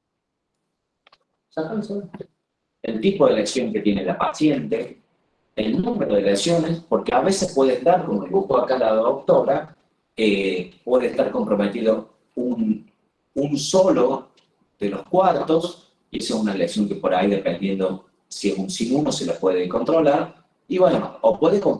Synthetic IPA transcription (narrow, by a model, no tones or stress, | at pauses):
sakasa | elt̪ipoðeleksjo̞ŋket̪je̞nelapasje̞nt̪eː | lnũmeɾoð̞eleksjo̞nespoɾkeaβe̞sehpweðeend̪aɾkomoleβutoakalaðok̚t̪o̞βɾa | epweðeht̪aɾko̞mpɾomet̪iðo̞ | un | unsolo | ð̥elohkwaɾt̪o̞s | iesesunaleksjo̞ŋkepoɾaiðepend̪je̞nd̪o | siesunsinunoselopweðeko̞nt̪ɾolaɾ | iβwenoːpwe̞ðekom